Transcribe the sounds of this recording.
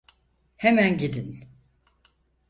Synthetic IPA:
hemænɟed̪in

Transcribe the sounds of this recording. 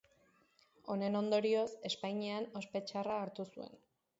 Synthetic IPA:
o̞ne̞no̞nd̪o̞ɾio̞se̞spajɲeano̞spe̞t͡ʃaraːɾt̪usue̞̰n

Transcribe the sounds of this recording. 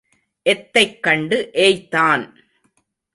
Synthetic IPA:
ʔɛt̪ːɐɪkːɐɳɖɯʔeːjt̪ːaːn

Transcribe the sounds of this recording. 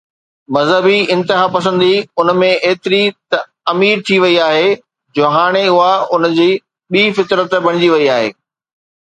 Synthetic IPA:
mɐzɦəbiɪ̃nt̪ɪɦapɐsə̃nd̪iʊnmẽeːt̪ɪɾit̪ɐ | ɐmiːɾt̪ʰiʋɐiaːɦe | d͡ʑoːɦaːɽ̃eʊɦaʊnd͡ʑiː | ɓiːfɪt̪ɾət̪bɐ̃ɽ̃d͡ʑiʋɐiaːɦḛː

